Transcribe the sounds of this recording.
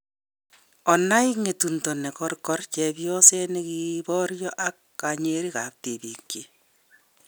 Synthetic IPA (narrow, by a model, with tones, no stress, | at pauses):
ɔ˨na˦i˦ŋe˨tuntɔ˨nɛ˨kɔrkɔ˦rt͡ʃɛ˨bjɔ˦se˦nekibɔɾjɔ˦ʔa˦kːaɲeɾi˦ka˨p̚te˨bi˨ke˨